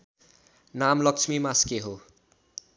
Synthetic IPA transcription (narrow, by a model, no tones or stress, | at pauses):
namlʌkt͡sʰmimaskeɦo